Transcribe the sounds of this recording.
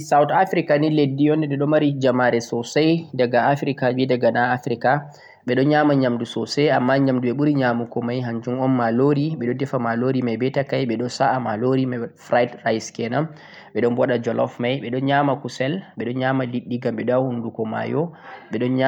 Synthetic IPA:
sawtafɾikaniledːijɔndɛɗɛɗɔmaɾid͡ʒamaɾɛsɔsajdaɡaːfɾikad͡ʒidaɡanaafɾika | ɓɛɗɔɲamaɲamdusɔsɛjamːaɲamduɓɛɓuɾiɲamukɔmajɦaɲd͡ʒumɔnmaloɾiɓɛɗɔdɛfamaloɾimajbɛtakajɓɛɗɔnsaʔamaloɾimafɾajdrajskɛnam | ɓɛɗɔnbɔɗad͡ʒɔlɔ̰fmajɓɛɗɔnɲamakusɛlɓɛɗɔnɲamaliɗːiɡamɓɛɗahundukɔma̰jɔɓɛɗɔnɲa

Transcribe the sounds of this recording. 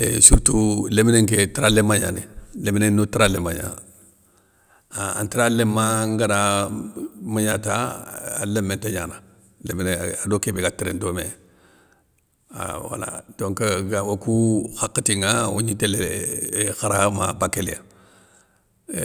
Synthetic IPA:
esuɾtulemineŋketiɾalemaɲa̰nileminenotiɾalemaɲa̰ | aa̰ntiɾalemːaŋɡana | maɲata̰ː | lemːenteɲana | lemineadokebeɡatiɾendome | a̰wa̰la̰doŋkəɡawokuxakːətiŋawo̰ɲitele | xaɾama̰bakːelḛja

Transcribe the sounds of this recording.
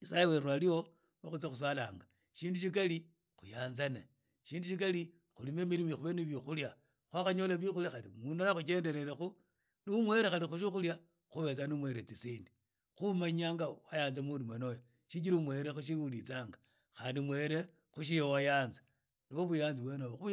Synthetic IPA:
ɲisajeweɾwalio̞ | wexut͡sexus̬walaːŋɡa | ʃiːnduʃik̬ali | xujaːnzane | ʃiːnduʃik̬ali | xulime̞miɾimiuβeniβjixulja | xwaxaɲo̞laβixulixalimuːndanaxut͡ʃe̞ːnde̞ɾe̞ɾexu | numwe̞ɾexalixuʃixulja | xuβe̞t͡sanumwe̞ɾet͡sisiːndi | xumaɲaːŋɡawajaːnzamulimanojo | ʃit͡ʃiɾumwe̞ɾexuʃiulit͡saːŋɡa | xaːndimwe̞ːɾe | xuʃ̬ijowajaːnzḁ | niwoβujaːnziβwenoβou

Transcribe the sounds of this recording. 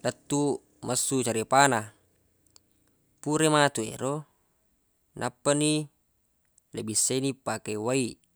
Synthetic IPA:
dat̪ːu | masːut͡ʃaɾipana | puɾemat̪uḛɾo | nʔapːani | lebisːenipakewai

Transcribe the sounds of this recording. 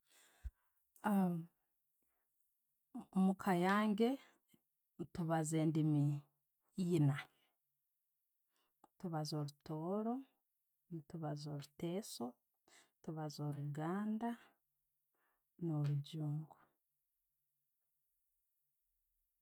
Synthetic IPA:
mukʰajaːŋɡe̞ | tuβazeːndimi | jina | tuβazo̞ɾutʰo̞ːɾo̞ | ntuβazoɾuteːso̞ | tuβazo̞ɾuɡaːnda | noɾuɟuːŋɡwu

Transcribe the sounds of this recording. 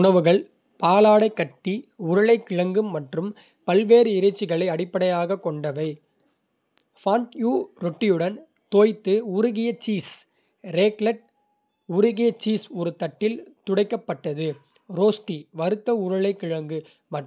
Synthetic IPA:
ʊɳɐʋɯɣɐɭ | paːlaːɽɐɪkːɐʈːiʊɾɐɭɐɪkːɪɻɐŋɡɯmːɐʈrɯm | pɐlʋeːɾɯɪɾɐt͡ʃːɪɣɐɭɐɪɐɽɪpːɐɽɐjaːɣɐkːɔɳɖɐʋɐɪ | faːnʈjuːɾɔʈːɪjɯɽɐn | t̪oːjt̪ːɯʊɾʊɣɪjɐt͡ʃiːs | ɾeːklɐʈ̚ | ʊɾʊɣɪjɐt͡ʃiːsɔɾɯt̪ɐʈːɪlt̪ʊɽɐɪkːɐpːɐʈːɐðɯ | ɾoːsʈiʋɐɾɯt̪ːɐʊɾɐɭɐɪkːɪɻɐŋɡɯ | mɐ

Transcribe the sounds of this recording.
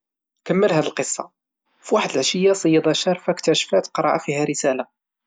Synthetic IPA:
kəmːəlhæd̪əlqəsˤːɑ̰ | fiwaħəd̪əlʕaʃəjːasˤəjːɑd̪ˤɑʃɑɾˤfakt̪æʃfæt̪qɾˤɑ̰ʕa̰fihæɾəsæla

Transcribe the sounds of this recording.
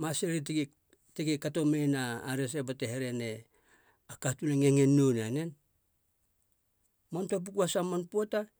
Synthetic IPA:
maseɾi | tekikatomejnaːɾes̬ebateheɾe̞ne | akatuneŋeŋenːunanen | montop̬ukuasamanpo̞ta

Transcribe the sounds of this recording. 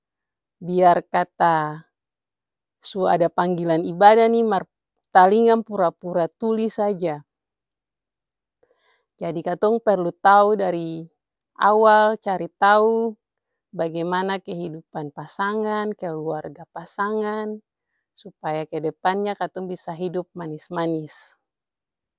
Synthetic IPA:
biarkat̪a | sua̰dapaŋɡilanibadanimar | t̪aliŋanpuɾapuɾat̪ulisad͡ʒa | d͡ʒadikat̪ɔŋpɛrlut̪audaɾi | ʔa̰walt͡ʃaɾit̪au | baɡɛjmanakɛɦidupanpasaŋankɛluarɡapasaŋan | supajakɛdɛpanɲakat̪ɔŋbisaɦidup̚manismanis

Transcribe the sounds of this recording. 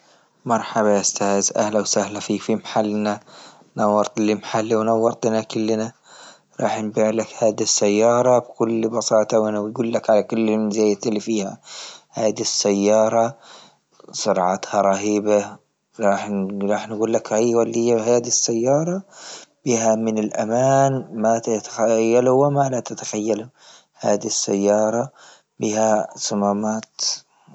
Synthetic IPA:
mɑɾˤħabaaʔʊst̪aːzʔa̰hlawsahlafiːkfimaħalːna | nawːɑɾt̪ˤɪlimaħalːiwnawːɑɾt̪ˤnakʊlːna | ɾˤɑ̰ːħnbiːʕlakhaːd̪isːajːɑːɾˤɑbkʊlːbɑsɑːt̪ˤɑwʔɪnaɡuːlːakʕalakʊlːɪɪzaːjt̪ɪlːifiːha̰haːd̪isːajːɑːɾˤɑ | sˤʊɾʕɑ̰t̪hɑɾˤɑɦiːba | ɾˤɑːħnɾˤɑːħnɡuːlːakhajwalːijːaɦaːd̪isːajːɑːɾˤɑb̥iːhamɪnɪlʔamaːnmat̪at̪axajːaluwɪmalat̪at̪ḁxajːalʊ | ha̰ːd̪isːa̰jːɑːɾˤɑ | biːhasamaːmaːt̪

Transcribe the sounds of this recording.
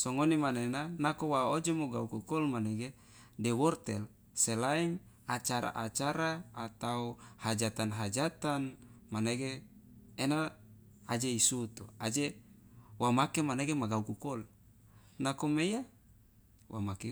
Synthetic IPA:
soŋonimanenanakowaod͡ʒomoɡaukukɔlmaneɡe | dɛwɔrt̪ɛl | selaiŋ | at͡ʃaɾa̰ʔat͡ʃaɾaːt̪auhad͡ʒat̪anɦad͡ʒat̪anmaneɡeː | naː | d͡ʒeisut̪uad͡ʒe | wamakemaneɡemaɡaukukɔl | nakomeja | wa̰make

